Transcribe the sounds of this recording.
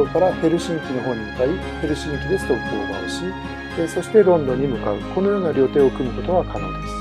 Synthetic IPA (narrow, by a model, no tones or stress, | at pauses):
okaɾahe̞ɾɯ̟ɕĩŋkʲino̞ɦo̞ːɲ̟ːimɯt̪ai | he̞ɾɯ̟ɕĩŋkʲid̪e̞sɨ̥t̪o̞ɯkʲio̰ɡa̰a̰ɾɯ̟ɕi | eso̞ɕi̥t̪e̞ɾõ̞nd̪õ̞ɲ̟ːimɯ̟ka̰ɯ̟ko̞no̞jo̞ːnaɾʲo̞t̪e̞ːokɯ̟mɯko̞t̪o̞βakanõ̰e